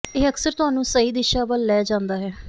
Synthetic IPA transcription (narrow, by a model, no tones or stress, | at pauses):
eːəksəɾt̪ʊɦaːnũːsəiːd̪ɪʃaːbəlːɛːd͡ʒãːnd̪aːɦɛː